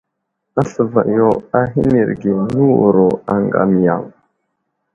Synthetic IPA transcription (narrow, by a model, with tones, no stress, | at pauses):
a˦ɬə˨va̰˨ʔjo˨a˨ɦi˦ni˨ɾɡe˨nu˦wu˨ɾo˨a˨ŋ˨ɡa̰˨mi˨ja̰˨w